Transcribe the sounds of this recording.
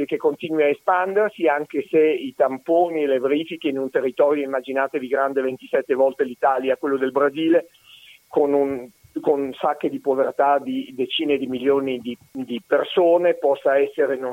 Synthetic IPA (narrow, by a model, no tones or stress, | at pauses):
ekekːont̪iːnwiaespand̪ersiaŋkeseit̪ampoːnieleveɾiːfikeinunt̪erːit̪ɔːɾjoimːad͡ʒinaːt̪ed̪iɡɾand̪event̪i̥sɛt̪ːevɔlt̪elit̪aːljakwelːod̪elbɾaziːle | konun | konsakːed̪ipovert̪ad̪id̪et͡ʃiːned̪imiljoːnid̪id̪ipersoːnepɔsːaɛsːeɾeno